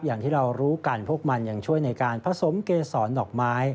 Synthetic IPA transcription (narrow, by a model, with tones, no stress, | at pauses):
p̚jaː˨˩ŋt̪ʰiː˥˩ɾa˧wɾuː˦˥ka˧npʰu˥˩ək̚ma˧nja˧ŋt͡ɕʰu˥˩əjna˧jkaː˧npʰa˧so˩˦mkeː˧sɔː˩˦nːɔː˨˩k̚maː˦˥j